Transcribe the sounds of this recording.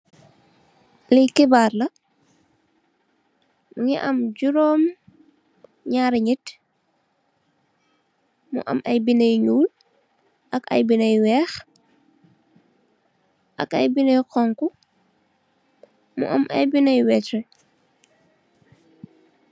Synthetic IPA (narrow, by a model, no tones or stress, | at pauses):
likibaːɾlɐ | muŋiʔɐmɟuɾɔːm | ɲaːɾɲit | mṵʔɐ̰mʔɐjbinɐjɲuːl | ʔɐkɐ̰jbinɐjwɛːx | ʔɐ̰kɐjbinəjqɔŋku | mṵʔɐmʔɐ̰jbinɐjwɛtɾɛ